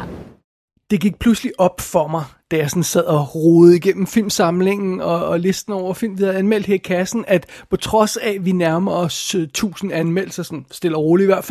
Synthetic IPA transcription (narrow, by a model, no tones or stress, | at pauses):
d̥e̝ɡ̥iɡ̥̚pʰlusliʔɒ̽b̥fɒ̽mɑ̈ɪd̥æjɑ̈sɔ̽nsɛð̞̰ˠɒʁoːð̩ˠiɡ̥en̰m̩fil̰msɑ̈mle̝ŋn̩ɒ̽le̝sd̥n̩ɒʊ̰ɐfil̰md̥ʋihæðˠænmel̰d̥hæɐikʰæsn̩æd̥pʰɒ̽t͡sʰʁɒ̽sæʋinæɐmɐɒ̽st͡sʰṵːsn̩ænmel̰sɐsɒ̽nsd̥e̝l̰ɐʁo̝ːliiʋæɐ̰dfæ